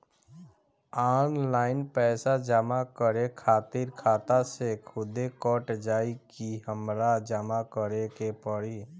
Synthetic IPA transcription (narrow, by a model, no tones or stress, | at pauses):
aːnlaːɪnpɛːsad͡ʒəmakəɾekʰaːt̪ɪɾkʰaːt̪asekʰʊd̪ekɔʈd͡ʒaːikiɦəmɾad͡ʒəmakəɾekepəɽi